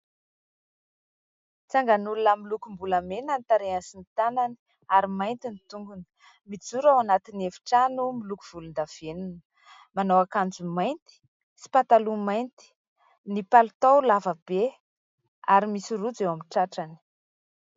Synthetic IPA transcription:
t͡saŋɡanulunəmilukumbulamenant̪aɾeansinit̪anani̥ | aɾimajnt̪init̪uŋɡunə̥ | mid͡zuɾawanat̪inefi̥ʈ͡ʂanumilukuv̥ulund̪av̥enunə̥ | manawakand͡zumajnt̪i̥ | si̥pat̪alumajnt̪i̥ | nipalut̪awlavəb̥e | aɾimisirud͡zewamiʈ͡ʂaʈ͡ʂani̥

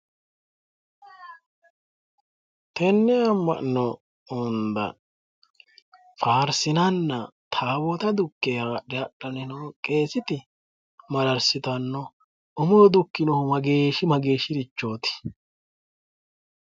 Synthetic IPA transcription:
t̪ɛnːɛɐmːɐ̰ʔnɔ | ʊnd̪ɐ̰ | faːɾsɪnɐnːɐt̪ʰaːbɔt̪ɐd̪ʊkːeaːɗɛɐɗɔnɪnokʼe̞ːsɪt̪ɪ | mɐɾɐɾsɪt̪ɐnːɔ | ʊmɔɾd̪ʊkːɪnɔhʊmɐɡeːʃɪmɐɡe̞ːʃɪɾɪt͡ʃːo̞ːt̪ɪ̥

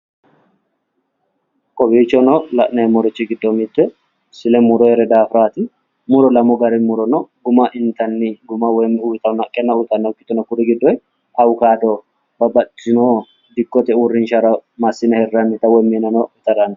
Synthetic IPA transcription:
kʼɔbiːt͡ʃːɔnɔlɐʔnɐɛmɔɾɔt͡ʃːɪɡɪd̪ːɔmɪt̪ːɛ | sɪlɛmʊɾɔhɛɾɛd̪aːfɾaːt̪ɪ | mʊɾɔlɐmɔɡɐɾɪmʊɾɔnɔɡʊmɐʔɪnt̪ɐnːɪɡʊmɐwɔmuːt̪ʼɐnɐkʼːɛnːɐʊt̪ʼɐnːɛkʼːɪt̪ːɔnɐkʊɾɪɡɪd̪ːɔj | ɐwʊkaːd̪ɔ | bɐbɐt̪ːɪno | d̪ɪkːɔt̪ɛuɾːɪnʃɐɾɐmɐsːɪnɐhɛrːɐnːɪt̪ɐwɔjmenɐnɔɪt̪ʼɐɾɐnɐ

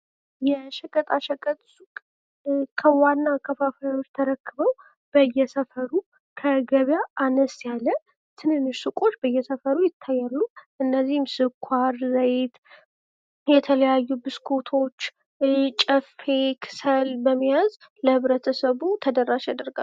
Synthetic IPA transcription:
jɛʃəkʼət̪ʼaʃəkʼət̪ʼsukʼ | kʰəwanːakʰəfafajot͡ʃːt̪ʰəɾəkːɨβəw | b̥əjːɛsəfəɾu | kʰəɡəβjaʔanəsjalːə | t̪ʰɨnhɨnːɨʃsukʼo̞t͡ʃːbəjːɛsəfəɾujɪt̪ʰːajːalːuʔɨnːəzːihɪmsɨkʷʰwaɾːəjt̪ | jɛt̪ʰələjajːubɨskʰot̪ʰo̞t͡ʃː | t͡ʃʼəfe̞kʰɨ̥səlbəmːijaz | ləhɨβɾət̪ʰəsəβut̪ʰəd̪əɾːaʃad̪əɾɡa̰

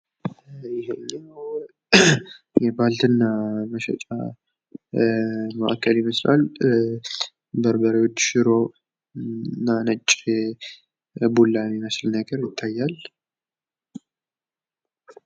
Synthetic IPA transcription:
jɪɦenːnəw | jɛbalt̪ʰɨnːaməʃɛ̰t͡ʃʼa̰ | məʔakʰːəljɪməsla̰l | bəɾbəɾewot͡ʃːʃɪɾo̞ | nːanət͡ʃʼː | bulːaneməslnəɡəɾjɪt̪ʰːajːal

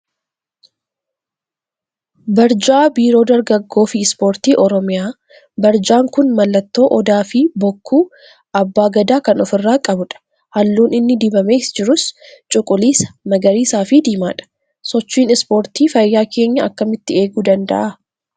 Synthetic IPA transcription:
bɐɾd͡ʒaːbiːɾo̞ːd̪ɐɾɡɐɡːo̞ːfɪɪspo̞ːɾt̪iːʔɔɾɔmɪjaː | bɐɾd͡ʒaːŋkʊnmɐlːɐt̪ːo̞ːʔɔd̪aːfɪbɔkːuː | ʔɐbːaːɡɐd̪aːkɐnɔfɪrːaːkʼɐbʊᶑɐ̥ | hɐlːuːnɪnːɪd̪ɪbɐme̞ːsd͡ʒɪɾʊst͡ʃʼʊkʼʊliːsɐ̥mɐɡɐɾiːsaːfɪd̪iːma̰ːᶑɐ̥ | sɔt͡ʃːiːnɪspo̞ːɾt̪iːfɐjːaːkʰe̞ːɲːɐɐkːɐmɪt̪ːɪe̞ːɡuːd̪ɐnd̪ɐ̰ʔɐ

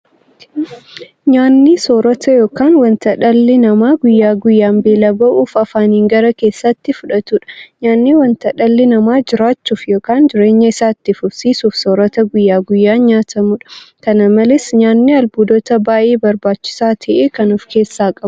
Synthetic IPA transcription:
ɲaːnːisoːɾɔt̪ɐjo̞ːkaːnwɐnt̪ɐᶑɐlːɪnɐmaːɡʊjːaːɡʊjːaːmbe̞ːlɐbɐʔuːfɐfaːniːŋɡɐɾɐke̞ːsːɐt̪ːɪfʊᶑɐt̪uːᶑɐ̥ɲaːnːiːwɐnt̪ɐᶑɐlːɪnɐmaːd͡ʒɪɾaːt͡ʃːuːfjo̞ːkaːnd͡ʒɪɾe̞ːɲːɐɪsaːt̪ːɪfʊfsiːsuːfsoːɾɔt̪ɐɡʊjːaːɡʊjːaːɲaːt̪ʰɐmʊᶑɐ̥kɐnɐmɐlɪsɲaːnːiɐlbuːd̪ɔt̪ɐbaːʔeːbɐɾbaːt͡ʃːɪ̥saːt̪ʰɐʔeːkɐnuːfke̞ːsːaːkʼɐbʊ

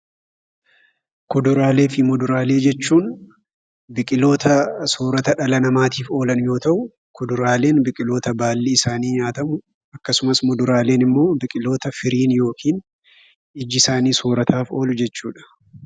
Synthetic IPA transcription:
kʊd̪ʊɾaːle̞ːfɪmʊd̪ʊɾaːle̞ːd͡ʒɛt͡ʃːuːn | bɪkʼɪlo̞ːt̪ɐsoːɾɐt̪ɐᶑɐlɐnɐmaːt̪iːfo̞ːlɐnjo̞ːt̪ɐʔʊ | kʊd̪ʊɾaːle̞ːnbɪkʼɪlo̞ːt̪ɐbaːlːiɪsaːniːɲaːt̪ɐmʊ | ɐkːɐsʊmɐsmʊd̪ʊɾaːle̞ːnɪmːo̞ːbɪkʼɪlo̞ːt̪ɐfɪɾiːnjo̞ːkiːn | ɪd͡ʒɪsaːniːsoːɾɐt̪ʰaːfo̞ːlʊd͡ʒɛt͡ʃːuːᶑɐ̥

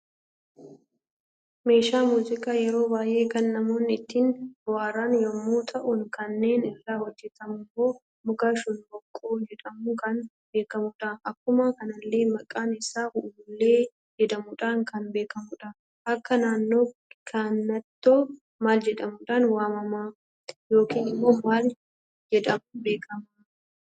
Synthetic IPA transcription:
me̞ːʃaːmuːzɪkaːjɛɾo̞ːbaːjʔe̞ːkɐnːɐmo̞ːnːɪt̪ːɪnwaːɾaːnjɔmːuːt̪ʰɐʔʊnkɐnːe̞ːnɪrːaːhɔd͡ʒːɛt̪ɐmʊmːo̞ː | mʊɡaːʃʊnbɔkʼːoːd͡ʒɛᶑɐmukɐn | be̞ːkɐmʊᶑaːnɐkːʊmakɐnɐlːe̞ːmɐkʼaːnɪsaːʊʔbʊlːe̞ː | d͡ʒɛd̪ɐmʊᶑaːŋkɐnbe̞ːkɐmʊᶑa | ʔɐkːɐnaːnːo̞ːkʰanːɐt̪ːoː | maːld͡ʒɛᶑɐmuᶑaːnwaːmɐmaː | jo̞ːkiːnɪmːoːmaːl | d͡ʒɛᶑ̪ɐmbe̞ːkʰɐma

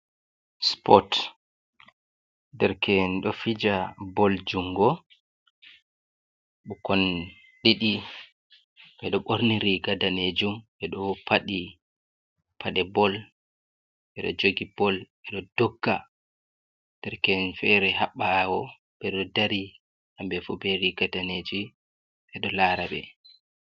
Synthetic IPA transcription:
spɔt | dɛɾkɛnɗɔfid͡ʒabɔld͡ʒuŋɡɔ | ɓukɔn | ɗeɗi | ɓɛɗɔɓoɾniɾiɡadaned͡ʒumɓɛɗɔpʰaɗi | pʰaɗɛbɔl | ɓɛɗɔ̰d͡ʒoɡib̥ɔlɓɛɗɔd̥ɔɡːa̰ | d̥ɛɾkɛnfɛɾɛɦaɓːawɔ | bɛɗɔdaɾi | ʔambɛfubɛɾiɡadaned͡ʒi | ɓɛɗɔlaɾaɓɛ̰

